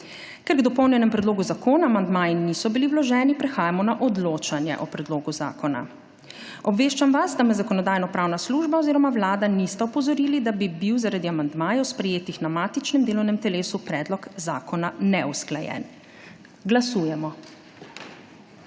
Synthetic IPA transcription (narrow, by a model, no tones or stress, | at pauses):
kɛɾɡd̪ɔpɔwnjɛnɛmpɾɛd̪loːɡuzakoːnaːmand̪maːjinisɔbiliwlɔʒɛːnipɾɛxaːjamɔnaʔɔd̪loːt͡ʃanjɛ̰ʔɔpɾɛd̪loːɡuza̰ːkɔna̰ | ɔbʋeːʃt͡ʃamʋasd̪amɛzakɔnɔd̪aːjnɔpɾaːwnasluːʒbaɔziːɾɔmawlaːd̪anist̪ɛɔpɔzɔɾiːlid̪abibiwzaɾad̪iamand̪maːjɛwspɾɛjeːt̪ixnamaːt̪it͡ʃnɛmd̪eːlɔwnɛmt̪ɛleːsupɾɛːd̪lɔkzaːkɔnanɛusklajɛ̰n | ɡlasuːjɛmɔ